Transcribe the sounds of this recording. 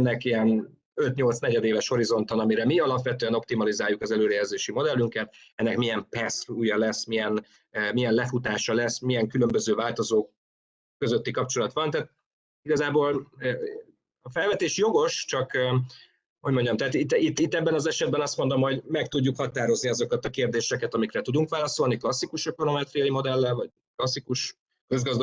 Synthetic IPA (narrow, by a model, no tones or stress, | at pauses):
nːɛkiɛn | øt̪ɲo̞lt̪snɛɟɛd̪eːvɛʃho̞ɾizo̞n̪t̪onɒmiɾɛmiɒlɒpʋɛt̪øːɛno̞p̚t̪imɒlizaːjukɒzɛløːɾɛjɛzeːʃimo̞d̪ɛlːyŋkɛt̪ɛnːɛkmijɛmpɛsuːjɒlɛsːmijɛn | mijɛnlɛfut̪aːʃɒlɛsːmijɛŋkylø̞mbøzøːvaːlt̪o̞zoːkː | ø̞zø̞t̪ːikɒp̚t͡ʃo̞lɒt̪ʋɒnt̪aːt̪̚ | iɡɒzaːboːlː | ɒfɛlvɛt̪eːʃjo̞ɡo̞ʃt͡ʃɒkː | ho̞ɟmo̞ɲɟɒmt̪ɛaːt̪it̪ːit̪ːit̪ːɛbːɛnɒzɛʃɛd̪̚bɛnɒst̪mo̞nd̪o̞mho̞ɟmɛk̚t̪uɟːukhɒt̪aːɾo̞zniɒzo̞kɒt̪ɒkeːrd̪eːʃɛkɛt̪ɒmikrɛt̪ud̪uŋkʋaːlɒso̞lniklɒsːikuʃɒkono̞mɛt̪rijɒjimo̞d̪ɛlːɛlvɒɟ | klɒsːikuʃ | kø̞zɡɒzd̪